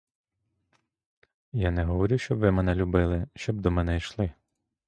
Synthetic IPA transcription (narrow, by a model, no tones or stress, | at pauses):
janɛɦɔʋɔɾʲuʃt͡ʃɔbʋɪmɛnɛlʲubɪlˠɪʃt͡ʃɔbd̪ɔmɛnɛjʃlˠɪ